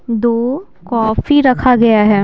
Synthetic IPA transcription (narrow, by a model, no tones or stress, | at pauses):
d̪oː | kɔːfiɾɐkʰaɡɐjaɦɛː